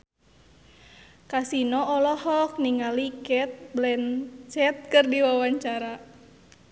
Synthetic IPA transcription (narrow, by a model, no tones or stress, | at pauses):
kasinɔʔɔlɔhɔk̚niŋalikɛt̪̚blɛnt͡ʃɛt̪̚kɨrdiwawaɲt͡ʃaɾa